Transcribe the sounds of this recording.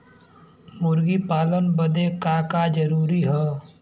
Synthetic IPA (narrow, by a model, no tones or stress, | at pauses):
mʊɾɡipaːlənbəd̪ekaːkad͡ʒəɾuːɾiɦɛː